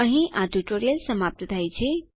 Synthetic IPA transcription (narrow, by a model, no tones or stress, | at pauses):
əɦĩʔãtuʈoɾijəlsəmap̚t̪t̪ajt͡ʃʰi